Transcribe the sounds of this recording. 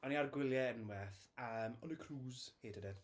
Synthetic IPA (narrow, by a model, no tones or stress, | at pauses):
ɔniarɡwɪlˠjɛənwɛθəmɔnəkʰruːzheːd̥ədɛd̥